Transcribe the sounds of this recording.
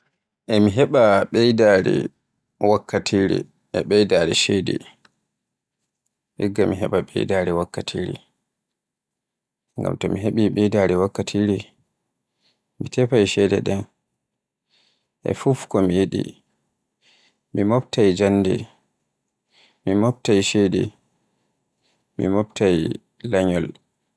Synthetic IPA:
ʔɛmiɦɛɓaɓɛjdaɾḭ | wakʰːatʰiɾḭ | ɛɓɛjdaːɾɛʃejdḭ | ʔiɡːamiɦɛɓaɓɛ̰jdaːɾɛwakːatʰiːɾḭ | ŋɡa̰mtɔmiɦeɓiɓɛjdaːɾɛwakːatʰiɾi | mitɛpajʃɛdɛɗɛn | ʔɛ̰fufkɔmijeɗḭ | mimɔp̚tajd͡ʒanːdɛ̰ | mimop̚tajʃedḭ | mḭmop̚taj | laɲɔl

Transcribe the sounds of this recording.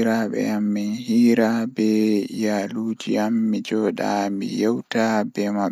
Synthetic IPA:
ɾaɓɛ̰amːinhiːɾabɛjaluːd͡ʒiamːid͡ʒɔːɗa̰mḭjɛwtabɛma

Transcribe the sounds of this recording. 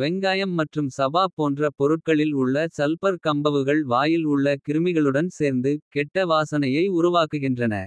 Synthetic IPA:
ʋɛŋɡaːjɐmːɐʈrɯmsɐbaːpoːndrɐpɔɾɯʈ̚kɐɭɪlʊɭːɐsɐlpɐɾkɐmbɐʋɯɣɐɭʋaːjɪlʊɭːɐkɪɾɯmɪɣɐɭɯɽɐnseːɾnd̪ɯkɛʈːɐʋaːsɐnɐjɐɪʊɾʊʋaːkːɯɣɪndrɐnɐ̰

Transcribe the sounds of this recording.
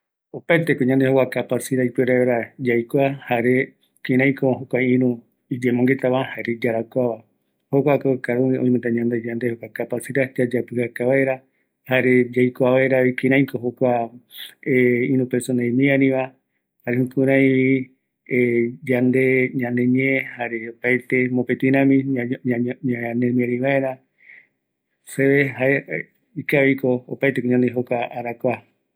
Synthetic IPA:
opaet̪ekoɲãnd̪ehokʷakapasiɾajpweɾaɾad͡ʒajkʷahaɾe | kĩɾ̃ãj̃koɦokʷaĩɾũ | id͡ʒemõŋɡe̞t̪aβãhaɾed͡ʒaɾakʷaβa | hokʷakokaɾũiʔõĩment̪aɲãnd̪ed͡ʒand̪ehokʷakapasiɾad͡ʒad͡ʒapɨhakaβaeɾa | haɾed͡ʒajkʷaβaeɾaikĩɾ̃ãj̃koɦokʷa | eĩnũpeɾsonaĩmĩanĩβa | haɾehũkuɾãj | ed͡ʒand̪e̞ɲãnẽɲiehaɾe̞opajt̪e̞mõpet̪ĩɾãmĩ | ɲanẽmieɾiβaeɾa | seβehae | ikaβikoopajt̪ekoɲãnd̪eɦokʷaaɾakʷa

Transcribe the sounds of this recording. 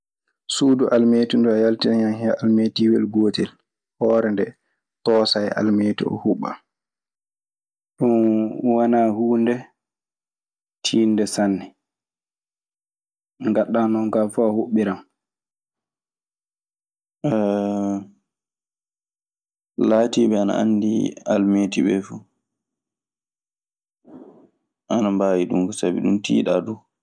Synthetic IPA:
suduʔalmeːtundɔajaltinajanhɛalmetiwɛ̰lɡoːtɛl | hɔːɾɛndɛ | tɔːsaja̰lmeːtɔ̰ɔ̰huɓa̰ | ɗunwanahuːndɛ | tʰiːndɛsanːɛ | ŋɡaɗːanɔnkafahoɓːiɾam | ɛ | laːtiɓɛana̰ʔa̰ndia̰lmetiɓɛfu | ʔanambaːwiɗumkɔsabḭɗumtḭːɗadu

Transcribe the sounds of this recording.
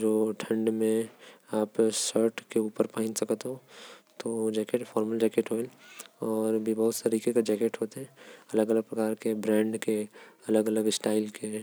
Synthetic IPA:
d͡ʒoːʈʰə̃ɳɖmẽaːpsəɾʈkeuːpəɾpaɦɪ̃nsɐkət̪ɦõt̪od͡ʒɛːkeːʈfʰɔːɾməld͡ʒɛːkeːʈɦoelɔːɾbʱibɐɦʊt̪saɾiːkekad͡ʒɛːkeːʈɦoːt̪eɦɛ̃ɐləɡələɡ̚pɾɐkaːɾkebɾɛ̃ːɳɖkeɐləɡələɡɪsʈaːɪlke

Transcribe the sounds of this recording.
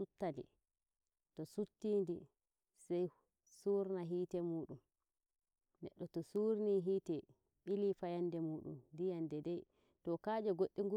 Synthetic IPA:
sutːadḭ | tɔsutːiːndi | sɛj | suːɾnaɦiːtɛmuːɗum | nɛ̰ɗːɔtɔsuɾniɦiːtɛ | ɓilifajandɛmuːɗṵmdijandɛdɛj | tɔkad͡ʒɔɡoɗːiŋɡu

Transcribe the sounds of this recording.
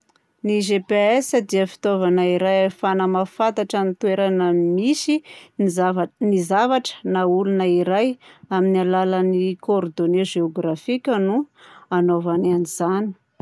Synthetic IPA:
niʒepeesəd̪iəfi̥t̪ovanaiɾajefanəmafant̪aʈ͡ʂanit̪weɾanəmisinizavnizavaʈ͡ʂə̥naulunəiɾajaminialalənikoɾd̪oneʒeoɡɾafikʲənuanovananiz̥ani̥

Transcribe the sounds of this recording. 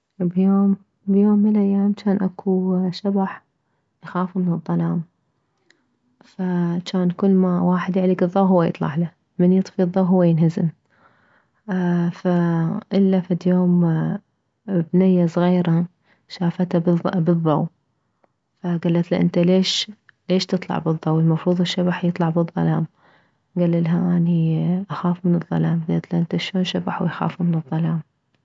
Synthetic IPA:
bjoːm | bjoːmːəlʔajːaːmt͡ʃaːnʔakʰuʃabaħ | ʔaxaːfmɪnɨðˤːɑlɑːm | fat͡ʃaːnkʊlːmawaːħɪd̪jaʕliːɡɨðˤːɑwɦʊwːajɨ̰t̪ˤlɑ̰ʕla | mɪnjɨt̪ˤfiðˤːɑwɦʊwːajɪnɦazɪm | faʔɪlːafad̪joːm | bnajːasˤɣiːɾa | ʃaːfat̪abɨðˤːɑw | faɡalːat̪lɪʔɪ̰nt̪aleːʃ | leːʃt̪ɨt̪ˤlɑ̰ʕbɨðˤːɑwɪlmɑfɾuːðˤɪʃːabaħjɨt̪ˤlɑʕbɨðˤːɑ̰laːm | ɡalːalɦaʔaniʔaxaːfmɪnɨðˤːɑ̰laːmɡalːat̪laʔɪnt̪aʃoːnʃabaħwjxa̰ːfumɪnɨðˤːɑlaːm

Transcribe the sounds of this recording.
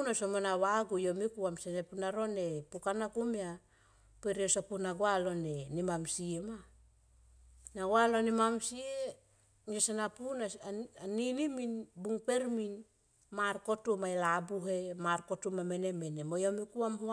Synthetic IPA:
unasomonawaɡujo̞mikuamsenepunaɾo̞ne̞pukanakumia | peɾiosopunaɡoalo̞nenimamsiema | naɡwalo̞nimamsie | ŋosanapunaaniniminbuŋpe̞ɾmin | maɾko̞tumajlabuɦemaɾko̞tumame̞nemenemojomikuamho

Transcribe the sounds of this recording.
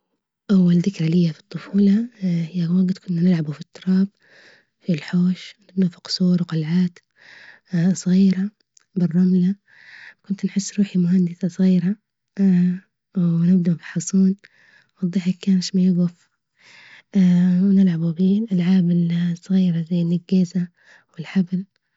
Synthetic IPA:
ʔawːalðɪkɾalɪjːafi̥t̪ˤːʊfuːlɑhɪjːawaɡt̪kʊnːanɪlʕabufit̪ʰːʊɾˤɑːb̚ | filħoːʃwwnɪbnafi̥qʊ̥sˤuːɾwqɑlʕaːt̪ | sˤɣiːɾa | bɪrˤːɑmla | kʊnt̪nħɪsːɾuːħimʊhand̪ɪsasˤɣiːɾa | wnɪbnafi̥ħɑsˤuːn | wɑðˤːiħakːaːnɪʃmajɪbʊf | wnɪlʕabubiːlʔalʕaːbɪlsˤɣiːɾazajːɪlʔɪɡaːza | wɪlħabl

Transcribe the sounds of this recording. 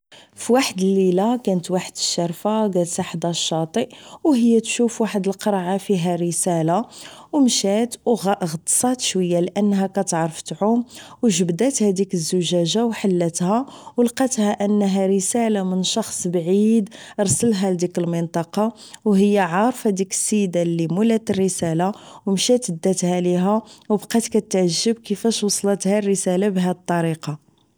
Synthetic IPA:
fiwaħəd̪əlːilakænət̪waħəd̪əʃːɑɾˤfaɡæt̪saħd̪ɑʃːɑt̪ˤiʔwɦəjːæt̪ʃufwaħəd̪əlqɑɾˤʕafiɦæɾəsælawmʃæt̪wɣʔɣt̪ˤsˤɑt̪ʃwəjːalʔənːɦækæt̪ʕɾˤəfət̪ʕʊmwʒəbd̪æt̪hæd̪ikəzːʊʒæʒawħəlːət̪hæwlqɑt̪hæʔənːɦæɾəsælamənʃɑxsˤbʕid̪ɾˤsəlɦæld̪ikəlmənt̪ˤɑqɑ | wɦəjːaʕɑɾˤfæd̪ikə̥sːəjd̪alimulæt̪ərːəsælawmʃæt̪əd̪ːæt̪hæliɦæwbqɑt̪kæt̪ʕəʒːəbkəfæʃwɑsˤlət̪hærːəsælabɦæd̪t̪ˤːɑɾiqɑ

